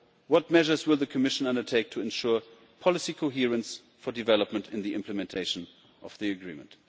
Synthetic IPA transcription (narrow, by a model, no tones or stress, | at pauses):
wʌt̚mɛʒə˞zwɪlˠðɨkʰɨmɪʃə̃n̩ʌ̃ndə˞tʰeɪk̚tʰɨɨ̃nʃʊɹ | pʰɑlˠɨsikʰoʊɦiɹə̃ns | fə˞dɨvɛləpmə̃ntɨ̃nðiʔɪ̃mpʰlɨmɛ̃ntʰeɪʃə̃n | ʔʌvðiɨɡɹḭ̃mə̃nt